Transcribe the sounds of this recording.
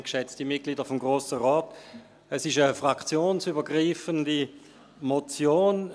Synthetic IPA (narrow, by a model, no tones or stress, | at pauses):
kʃɛt͡stimɪt̚kliːdəfʊmɡʁoːsəʁɔːt | ɛsɪʃəfʁakt͡sjoːnsybəɡʁiːfəndi | mot͡sjoːn